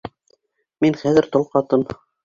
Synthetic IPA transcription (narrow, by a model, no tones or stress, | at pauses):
minχæðɘ̆ɾt̪ŏlˠqɑt̪ɤm